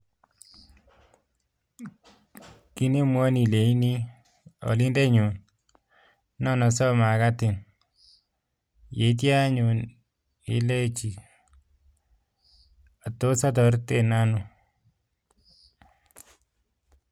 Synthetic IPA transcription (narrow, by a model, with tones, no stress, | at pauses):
ki˦ni˦mwɔ˦ni˨le˨i˦ni˦ | ɔ̰˨li˦nde˦ɲu˨n | nɔ˦nɔ˨sɔ˦ma˨ka˦tɪ˨n | je˨˦t̬ja˦ɲu˨n | ḭ˨˦le˦t͡ʃi˨ | a˨to˦sa˦tɔ˨˦ɾte˦˨na˦nu˦˨